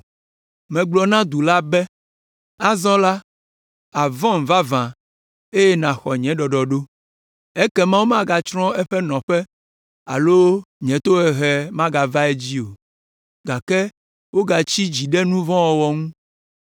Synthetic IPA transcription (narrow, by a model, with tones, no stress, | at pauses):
mɛ̃˨ɡ͡blɔ˨nã˦d̪u˨la˦bɛ˦ | a˦zɔ̃˦la˦ | a˨vɔ̃˦m̩˨va˦vã˨ | e˦je˦nã˨xɔ˨ɲɛ̃˨˦ɖɔ˨ɖɔ˨ɖo˦ | e˦kɛ˦mã˦wo˦mã˦ɡa˨t͡ʃɾɔ̃˦ɛ˦ɸɛ˦nɔ̃˨ɸɛ˦ | a̰˨lo˦ɲɛ̃˨˦t̪o˦ɛ˨ɦɛ˨mã˦ɡa˨va˦ɛ˦d͡ʑi˦o˨ | ɡa˨kɛ˦ | wo˦ɡa˨t͡ɕi˦d͡ʑi˨ɖɛ˦nũ˦vɔ̃˦wɔ˨wɔ˨ŋũ˦